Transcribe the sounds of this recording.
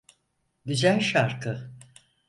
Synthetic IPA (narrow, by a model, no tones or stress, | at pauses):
d̪id͡ʒæɾʃaɾkʰɯ